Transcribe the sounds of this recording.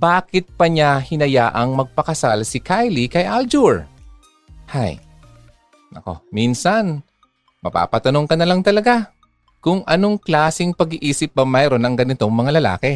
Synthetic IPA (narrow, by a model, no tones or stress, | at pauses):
baːkɪt̪̚pɐɲahɪnɐjaːʔɐŋmɐɡ̚pɐkɐsalsɪkʰajlikɐjʔald͡ʒuɹ | haj | ɐ̰ko̞̰minsɐn | mɐ̰pa̰ːpɐt̪ɐno̞ŋkɐnɐlaŋt̪ɐlɐɡa | kʊŋʔɐno̞ŋklaːsɪŋpɐɡiʔiːsɪp̚bɐmɐjɾo̞nɐŋɡɐnɪt̪o̞ŋmɐŋalɐla̰ːkɛ